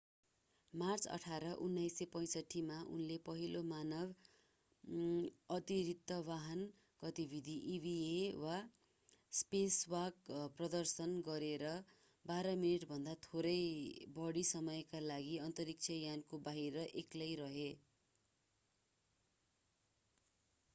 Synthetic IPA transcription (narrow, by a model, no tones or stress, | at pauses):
mart͡sʌ̰ʈʰaɾʌʔunːʌjsʌpʌj̃sʌʈʰːimaʔṵnlepʌɦilomanʌb | ʌt̪iɾit̪ːʌwaɦʌn | ɡ̥ʌt̪ibʱid̪ʱiʔibʱiewa | speswakprʌd̪ʌrsʌnɡʌɾeɾʌ | baɾʌminiʈbʱʌnd̪at̪ʰoɾʌjbʌɽisʌmʌjkalaɡiʌnt̪ʌɾik̚t͡sʰʌjankobaɦiɾʌʔeklʌjɾʌɦe